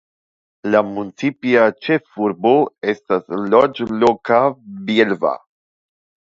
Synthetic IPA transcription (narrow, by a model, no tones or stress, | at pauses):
lamunt͡sipiat͡ʃe̞fuɾbo̞e̞staslod͡ʒlokabielva̰